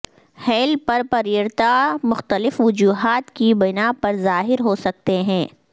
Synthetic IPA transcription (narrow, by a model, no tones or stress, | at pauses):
hɛːlpɐɾpɐɾiɾt̪amʊxt̪əlɪfʋʊd͡ʒuːɦaːt̪kibɪnapɐɾzaːɦɪɾɦoːsɐk̚t̪eɦɛ̃ː